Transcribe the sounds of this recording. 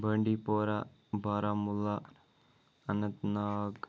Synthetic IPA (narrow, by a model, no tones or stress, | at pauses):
bʱeːɳɖipoːɾa | bʱaːɾamulːa | ɐnɐt̪naːk